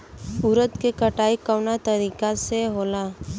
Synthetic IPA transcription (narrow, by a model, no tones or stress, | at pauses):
ʊɾət̪kekəʈaːikəʋnat̪əɾiːkaseɦoːla